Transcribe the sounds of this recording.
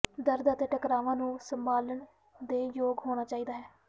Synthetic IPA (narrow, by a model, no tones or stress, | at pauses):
d̪əɾd̪ət̪eːʈəkɾaːʋãːnũːsəmbaːləɳ | d̪eːjoːɡɦoːɽ̃aːt͡ʃaːiːd̪aːɦɛː